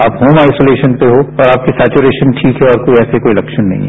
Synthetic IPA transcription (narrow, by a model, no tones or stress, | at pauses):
aːpɦoːmaːɪsoːleːʃənpeɦoɔːɾaːp̚kisɛːt͡ʃuɾeːʃənʈʰiːkɦɛɔːɾkoiɛːsekoːilɐkʃənːɐ̰ɦĩɦɛ